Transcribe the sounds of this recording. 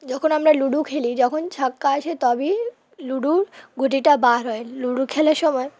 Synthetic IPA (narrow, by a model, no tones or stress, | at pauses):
d͡ʑɔkʰonamɾaluɽukʰelid͡ʑɔkʰont͡ɕʰakːaat͡ɕʰet̪ɔbi | luɽuɾɡʱuʈiʈabaɾɔeluɽukʰelaʃɔmɔe